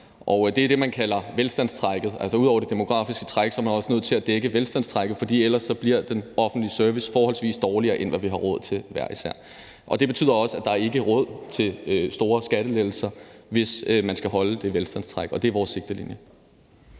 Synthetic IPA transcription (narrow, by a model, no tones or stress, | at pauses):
ʔɒʊd̥e̝æd̥e̝mænkʰælɐʋelsd̥æn̰st͡sʰʁɑɡ̥ð̩ˠælsɒuð̰ˠɒ̰ʊɐd̥e̝d̥emo̝ɡ̥ʁɑ̰̈ːfisɡ̥ə̥t͡sʰʁaɡ̥sɒɐmænɒ̽sə̥nøð̞̰ˠt͡sʰe̝læd̥eɡ̥əʋelsd̥æn̰st͡sʰʁaɡ̥ð̩ˠfɒ̽d̥ḭːel̰ɐsːɒ̽b̥liɐ̰d̥enɒ̽fn̩d̥liəsœɐʋisfɒːhɒ̽lsʋḭːsd̥ɒːliɐːʔe̝nʋæʋiɦɑ̈ʁɔ̽ð̞̰ˠt͡sʰe̝lʋæɐisæ̰ɐ̰ | ʔɒ̽d̥e̝b̥e̝t͡sʰy̰ð̰ˠɐɒ̽səæd̥ɑ̈æɐe̝ɡ̥əʁɔ̽ð̞̰ˠt͡sʰe̝løsd̥o̝ːɐsɡ̥æɾ̥əleð̥l̩sɐʋe̝smænsɡ̥æɦɒ̽ləd̥e̝ʋelsd̥æn̰st͡sʰʁaɡ̥ɒ̽d̥e̝æɐʋɒːsːe̝ɡ̥̚d̥əlḭnjə